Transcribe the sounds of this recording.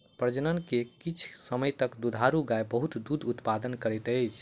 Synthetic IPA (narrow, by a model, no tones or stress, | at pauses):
pɾəd͡ʒənənkekit͡ʃʰsəməjt̪əkd̪ud̪ʱaɾuɡajbəɦut̪d̪ud̪ut̪pad̪ənkəɾɛjt̪əjt͡ʃʰ